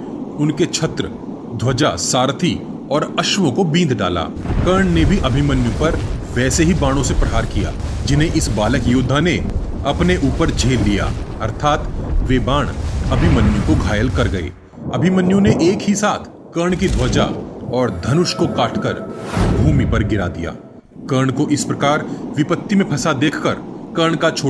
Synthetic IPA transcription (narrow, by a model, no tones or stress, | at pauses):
ʊnket͡ʃʰɐt̪ɾə | d̪ʱwɐd͡ʒasaːɾt̪ʰi | ɔːɾɐʃʋõkobĩːnd̪ɖa̰ːla̰ːkɐɾɳ̃nebʱiʔɐbʱimɐnjõpɐɾʋɛːseɦibaːɽ̃õsepɾɐɦaːɾkija̰ːd͡ʒɪnɦẽʔɪsbaːləkjʊːd̪ʱːane | ɐpneʔuːpəɾd͡ʒʱeːlːija̰ː | ɐɾt̪ʰaːt̪ʋebaːɽ̃ɐbʱimɐnjõkoɡʱaːjəlkɐɾɡɐḛː | ɐbʱimɐnjõneʔeːkɦisaːt̪ʰ | kəɾɳ̃kid̪ʱɔːd͡ʒa̰ɔːɾd̪ʱɐnʊʃkokaːʈʰkɐɾbʱuːmipɐɾɡɪɾa̰ːd̪ija̰ː | kəɾɳ̃koʔɪspɾɐkaːɾʋɪpət̪ːimẽpʰɐsad̪eːkʰkɐɾkɐɾɳkat͡ʃʰoː